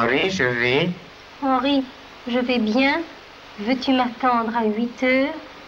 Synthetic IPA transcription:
ʁiʒəvɛ | ɑ̃ʁi | ʒəvɛbjɛ̃ | vøt̪ymat̪ɑ̃d̪ʁaɥit̪œːʁ

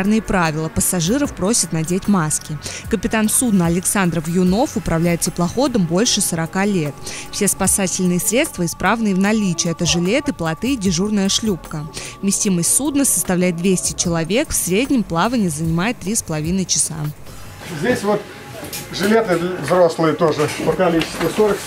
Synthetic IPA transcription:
rnɨjəpɾavʲɪlˠəpəsaʐɨɾəfpɾo̞sʲɪt̪nɐdʲetʲmaskʲɪkəpʲɪt̪ansud̪nəɐlʲɪksand̪ɾəfjʊno̞fʊpɾɐvlʲæjɪt̪̚t̪ʲɪplˠɐxo̞d̪əmbo̞lʲʂɨsəɾɐkalʲet̪fsʲe̞spɐsatʲɪlʲnɨjəsɾʲe̞t̪st̪vəɪspɾavnɨəvnɐlʲit͡ɕɪɛt̪əʐɨlʲe̞t̪ɨplˠɐt̪ɨdʲɪʐurnəjəʂlʲupkəmʲɪsʲtʲiməsʲtʲsud̪nəsə̥st̪ɐvlʲæjɪt̪̚d̪vʲesʲtʲɪt͡ɕɪlˠɐvʲe̞kfsʲɾʲedʲnʲɪmplˠavənʲɪːzənʲɪmajɪt̪ːɾʲispəlˠɐvʲinəjt͡ɕɪ̥sa̰ | zʲdʲesʲvot̪ | ʐɨlʲet̪ɨvzɾo̞slˠɨjət̪o̞ʐɨpəkɐlʲit͡ɕɪ̥st̪vəsoɾək

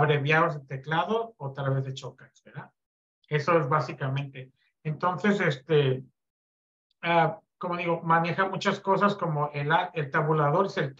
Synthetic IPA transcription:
βɾe̞βjaozðet̪e̞klaðo̞ːt̪alβe̞zðe̞t͡ʃo̞kasβeɾða | e̞so̞e̞zβasikamẽ̞nt̪e̞ː | nt̪o̞nθe̞sest̪e̞ | ako̞mo̞ðiɣo̞mane̞xamut͡ʃasko̞s̬asko̞mo̞ʔelaelt̪aβulaðo̞ɾeselt̪

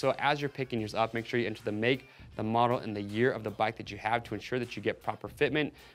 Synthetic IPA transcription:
soʊʔəzjə˞pʰɪkɪ̃ŋjə˞zʌp̚meɪkʃʊɹjɨɛ̃ntʰʉðɨmeɪk̚ | ðəmɑɾl̩ˠɨ̰̃nðɨjɪɹʌvðəbaɪk̚ðɨt͡ʃɨəv̥tʰəɨ̃nʃʊɹðɨt͡ʃɨɡɛt̚pʰɹ̥ɑpə˞fɪt̚mɨ̃nt

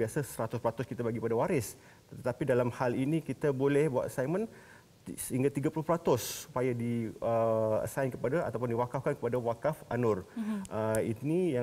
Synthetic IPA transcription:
iasasəɾat̪ʊspəɾat̪ʊskit̪abaɡikpadawaɾɪs | t̪ət̪apidalamhalinikit̪abolɛhbua̰t̪əsajmə̃n | səhiŋɡat̪iɡapulʊhpɾat̪ʊsːu̥pajadiəə̰sajnkəpadaa̰t̪awp̬ʊndiwakafkankə̥padawakafʔanʊrʔəinija

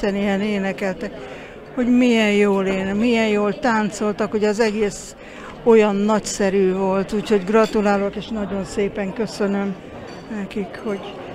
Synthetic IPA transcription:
ɛnijɛneːnɛkɛlt̪ɛk | ho̞ɟmijɛnjoːleːnmijɛnjoːlt̪aːnt̪so̞lt̪ɒkho̞ɟɒzɛɡeːs | o̞jɒnːɒcsɛɾyːvo̞lt̪uːcho̞ɟɡrɒt̪ulaːlo̞keːʃnɒɟo̞nseːpɛŋkø̞sø̞nø̞m | nɛkikho̞ɟ

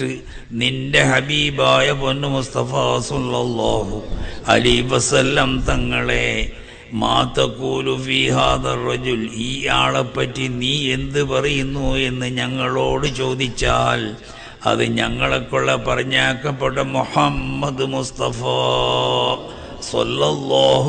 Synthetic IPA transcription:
ɨ | nindehɐbiːbaːjɐponːɨmust̪ɐfɐsulːɐlːaːɦuɐ̰liːʋɐsɐlːɐmt̪ɐŋːɐɭe̞ | ma̰ːt̪ɐkuːlufiːɦaːðɐrːɐd͡ʑuliːaːɭepːɐtːiniːe̞nd̪ɨpɐrijunːue̞nːɨɲɐŋːɐɭo̞ːɽɨt͡ɕo̞ːd̪it͡ɕːaːl | ɐ̰ðɨɲɐŋːɐɭekːoɭːɐpɐrɐɲːaːkːɐpːeʈːɐmuħɐmːɐd̪must̪ɐfaː | sɐ̰lːɐlːɑːɦ

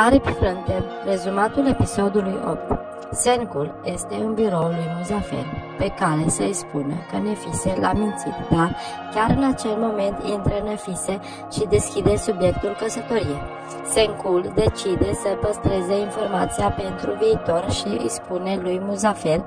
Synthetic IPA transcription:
aɾepefɾənt̪en | re̞zumat̪ule̞piso̞d̪ulujo̰pt̪ | seŋkulje̞st̪e̞unbiɾo̞wd̪emuzafḛrpe̞kaɾe̞sespunəkənefise̞lamint̪sit̪d̪ar | kʲaɾɨnat͡ʃe̞lmo̞me̞nt̪int̪ɾənefise̞ | ʃid̪e̞skʲid̪e̞subje̞k̚t̪ulkəsət̪o̞ɾije | seŋkuld̪e̞t͡ʃid̪e̞səpəst̪ɾe̞zeinfo̞rmat̪siape̞nt̪ɾuviːt̪o̞rʃiḭspune̞lujmuzafer

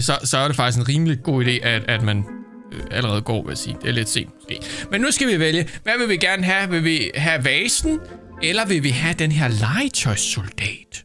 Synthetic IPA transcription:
sɒ̽sɒ̽æɐɾ̥e̝fɑ̈ɡ̥isɡe̝nʁiːməliɡ̥o̝̰ːid̥e̝̰ːʔææd̥mæn | æləʁɛːð̩ˠɡ̥ɒ̰ːʋe̝jæsḭːd̥e̝æle̝d̥se̝̰ːd̥mosɡ̥e̝̰ːmenːusɡ̥æʋiʋeljəʋæʋe̝lʋiɡ̥æɐnəɦæʋe̝ʋiɦæʋɛːsn̩ | elɐʋe̝ʋiɦæd̥enɦeɐlɑ̈ɪt͡sʰɒɪsold̥ɛ̰ːd̥

